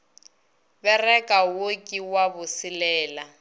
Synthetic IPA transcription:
bɛrɛkʼawokʼiwabʊsilɛːla

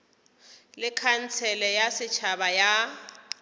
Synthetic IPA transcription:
lɪkʰan̩t͡sʰɛlɛjasɪt͡ʃʰabaja

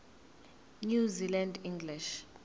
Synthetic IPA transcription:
njuzilandĩŋɡliʃ

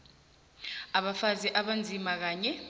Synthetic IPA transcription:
aɓafaziʔaɓand͡zʱimak̬aːɲɛ

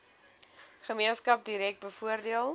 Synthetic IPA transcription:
χəmiənskɐp̚diɾɛk̚t̚bəfuərdiəlˠ

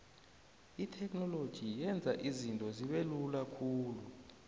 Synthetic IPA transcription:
itʰɛkʰʼnɔlod̥ʒ̥ʱijɛnd͡zʱaʔizintʼɔziɓelulakʰuːlu

